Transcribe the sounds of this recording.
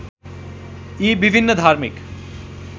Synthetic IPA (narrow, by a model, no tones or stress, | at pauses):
iːbibʱinːəd̪ʱaːɾmik